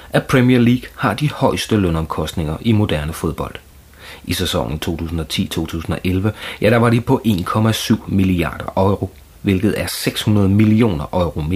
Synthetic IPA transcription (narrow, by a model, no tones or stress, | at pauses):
ʔæpʰʁɛmieɐliːɡ̥hɑ̈d̥ihɒ̽ɪsd̥əlønɒ̽mkʰɒ̽sd̥ne̝ŋɐʔimo̝d̥æɐnəfo̝ð̞ˠb̥ɒ̽l̰d̥ | isesɒ̽ŋ̰n̩t͡sʰo̝̰ːt͡sʰṵːsn̩ɒ̽t͡sʰḭːt͡sʰo̝̰ːt͡sʰṵːsn̩ɒ̽ʔelʋəjæɾ̥ɑ̈ʋɑ̈d̥ipʰɒ̽ʔe̝̰ːnkʰɒ̽mæsyʊ̰miliɑ̰̈ːd̥ɐʔɒ̽ɪʁo̝ | ʋe̝lɡ̥ð̞̩ˠæɐseɡ̥shunɐð̞ˠəmilio̝̰ːnɐʔɒ̽ɪʁo̝me